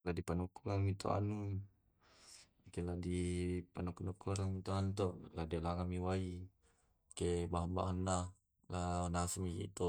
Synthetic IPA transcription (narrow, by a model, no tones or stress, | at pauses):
ladipanukːulamit̪o̰a̰nu | keladipanukunukːaɾamit̪oanut̪oʔladelaŋamiwai | kebaɦmbaɦanːa | lanasmikḭt̪o